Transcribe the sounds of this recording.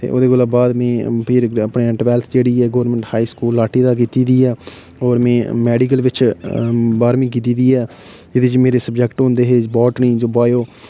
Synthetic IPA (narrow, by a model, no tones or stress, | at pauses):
t̪ḛːʔo̰ːd̪eːkʊlaːbaːd̪mɛ̃ːpʰɪɾəpɳeːəɳʈʋɛːlt̪ʰd͡ʒeːɽiːɛːɡoːʋɾnmɛ̃ɳʈhaːiːskuːlːaːʈiːd̪aːk̬iːt̪iːd̪iːɛː | ɔːɾmɛ̃ːmɛːɖik̬əlʋɪt͡ʃ | baːɾmĩːk̬iːt̪̬iːd̪iːɛː | d͡ʒɪd̪ed͡ʒmeːɾeːsəbd͡ʒɛkʈɦõːnd̪eːɦeːbɔːʈ̪nĩːd͡ʒoːbaːjoː